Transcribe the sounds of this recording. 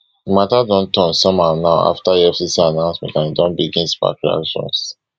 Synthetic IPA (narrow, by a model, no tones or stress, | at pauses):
matadɔ̃ntɔ̃nsɔ̃mhãnaʊa̰ftaiɛfsisianãʊ̃nsmɛ̰̃tãnidɔ̃nbiɡĩnspa̰kɹia̰kʃɔ̰̃ns